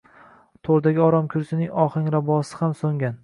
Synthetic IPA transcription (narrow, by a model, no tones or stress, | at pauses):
t̪ʰoɾd̪aɡʲɪɒɾɒmkʲʰʊɾsɪnɪŋɒχɪŋɾabɒsɪ̥hamsoŋɡʲan